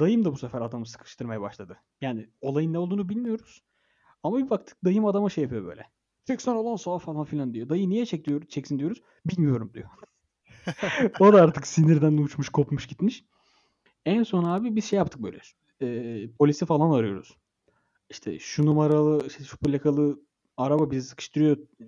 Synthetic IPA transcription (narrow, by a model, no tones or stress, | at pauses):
d̪ajɯmd̪abusɛfæɾad̪amɯsɯ̥kʰɯ̥ʃt̪ʰɯɾmajabaʃlˠad̪ɯ | jaːnio̞lˠajɯnːɛolˠd̪uːnubilʲmijo̞ɾuz̥ | amabibakt̪ʰɯ̥k̚d̪ajɯmad̪amaʃejapʰyjo̞bø̰jlʲɛ | pʰɛcsonɾalˠansoafalˠanfilʲand̪ijo̞d̪ajɯmnijɛt͡ʃʰɛcd̪ijoɾt͡ʃʰɛcsind̪ijo̞ɾuz̥ | bilʲmijo̞ɾumd̪ḭjo | o̞d̪aaɾt̪ʰɯksiniɾd̪ænut͡ʃmuʃkʰo̞pmuʃɟit̪miʃ | ænso̞naːbibizʃejapt̪ʰɯ̥k̚bø̰ːlʲɛ̰ | ɛːpʰo̞lʲisifalˠanvaɾɯjo̞̰ɾṵz̥ | iʃt̪ʰɛ̰ʃunumaɾalˠɯiʃt̪ɛʃu̥pʰulʲːakʰalˠɯ | aɾababizisɯ̥kʰɯ̥ʃt̪ʰɯɾijo